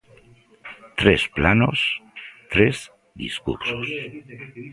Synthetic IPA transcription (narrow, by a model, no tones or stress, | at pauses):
t̪ɾesplanost̪ɾez | d̪ḭskṵɾsos